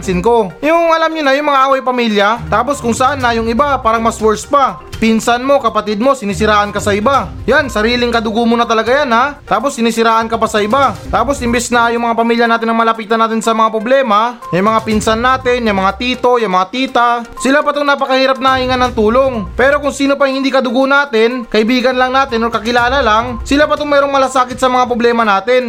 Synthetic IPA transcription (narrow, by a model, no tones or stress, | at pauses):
nsɪnko̞ɪʊʊŋʔɐlamɲʊnajʊŋmɐŋaʔaːwɐjpɐmiːljɐt̪aːpo̞skʊŋsɐʔanːajʊŋɪbapaːɾɐŋmɐswɛɹspa | pinsanmo̞kɐpɐt̪ɪd̪̚mo̞sɪniːsɪɾaːʔɐnkasɐɪbajansɐɾiːlɪŋkɐd̪ʊɡumʊnɐt̪ɐlɐɡajanhat̪aːpo̞sːɪniːsɪɾaːʔɐnkɐbasɐɪbat̪aːpo̞sʔɪmbɛsnɐjʊŋmɐŋapɐmiːljɐnaːt̪ɪnɐŋmɐlɐpiːt̪ɐnːaːt̪ɪnsɐmɐŋapɾoblɛːmajɐjmɐŋapɪnsanːaːt̪ɪnjɐmɐŋat̪iːt̪o̞jɐmɐŋat̪iːt̪asɪlapɐt̪oŋnapɐkɐhiːɾɐp̚nɐhɐhiŋanːɐŋt̪uːlo̞ŋpɛːɾo̞kʊŋsiːnopɐŋhɪnd̪iːkɐd̪ʊɡuʔnaːt̪ɪnkɐʔɪbiːɡɐnlɐŋnaːt̪ɪnoɾkɐkɪlaːlɐlaŋsɪlapɐt̪oŋmɛːɾo̞ŋmɐlasaːkɪt̪sɐmɐŋapɾoblɛːmɐnaːt̪ɪn